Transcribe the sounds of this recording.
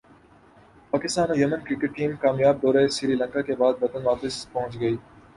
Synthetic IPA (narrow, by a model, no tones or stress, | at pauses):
paːkɪst̪aːnojɐmənkɾɪkeʈ̚ʈiːmkaːmjaːb̚d̪ɔːɾesɪɾiːlə̃ŋkakebaːd̪ʋɐt̪ənʋaːpɪspɐɦʊ̃t͡ʃɡɐiː